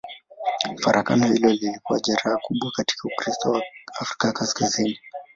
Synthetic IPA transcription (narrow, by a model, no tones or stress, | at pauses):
faɾʔaka̰nɔhilɔlilikuwaʄaɾaːkuɓwakati̥kaukɾistɔwaafɾikakaskazini